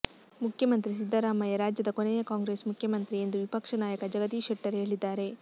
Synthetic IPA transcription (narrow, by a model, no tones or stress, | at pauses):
mukʰjɐmɐnt̪ɾis̬id̪ʱːɐɾaːmɐjɐɾaːd͡ʒjɐd̪ɐkonejɐkaːŋɡɾe̞ːsmukʰjɐmɐnt̪ɾie̞nd̪uʋipɐkʂɐnaːjɐkɐd͡ʒɐɡɐt̪iːʂeʈːɐɾɦeːɭid̪ːaːɾe̞